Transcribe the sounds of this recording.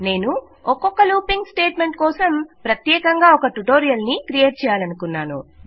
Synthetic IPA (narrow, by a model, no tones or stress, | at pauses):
ne̞ːnu | ɔkɔkːɐluːpiŋɡsʈeːʈme̞ɳʈ̚kɔːsɐmpɾɐt̪jɛːkɐŋɡaːɔkɐʈuʈoːɾijɐlnikɾijeːʈ̚t͡ʃɛːjaːlɐnukunːaːnṵ